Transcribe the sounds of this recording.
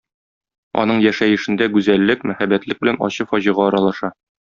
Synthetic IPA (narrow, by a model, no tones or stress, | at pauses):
ɒ̰nɤɴjæʃæjɘ̆ʃɘ̆nd̪æɡʉzælːɘkmæχæbæt̪lɘk̚bɘ̆lænɒ̰ɕɤfɒʑɤ̆ʁɑɒɾɑlˠɑʃɑ